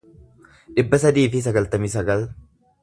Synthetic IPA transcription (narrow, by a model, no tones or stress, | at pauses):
ᶑɪbːɐsɐd̪iːfɪs̬ɐɡɐlt̪ɐmɪsɐɡɐl